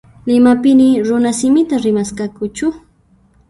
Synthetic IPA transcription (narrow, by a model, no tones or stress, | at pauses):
lɪmapɪnɪɾʊnasɪmɪt̪aɾɪmaskakʊt͡ʃʊ